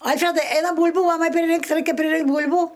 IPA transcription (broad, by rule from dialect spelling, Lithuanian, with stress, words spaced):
ˈɐlʲfʲrʲɛdɐɪ ˈɛɪnɐm ˈbuːlʲbuː ˈmɑːmɐɪ pʲrʲɪˈrʲɪŋktʲ ˈrɐɪkʲɛ pʲrʲɪˈrʲɪŋktʲ ˈbuːlʲbuː